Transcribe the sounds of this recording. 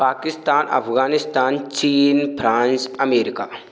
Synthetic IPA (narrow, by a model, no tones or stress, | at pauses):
paːkɪst̪aːnʔɐ̰pʰɡaːnɪst̪aːnt͡ʃiːnpʰɾãːnsɐmeːɾɪkaː